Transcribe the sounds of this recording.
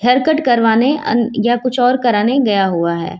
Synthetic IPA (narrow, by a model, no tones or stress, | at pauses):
ɖʰɐɾkəʈkɐɾʋaːneɐ̰jakʊt͡ʃʰɔːɾkɐɾaːneɡɐjaɦuaɦɛ̰ː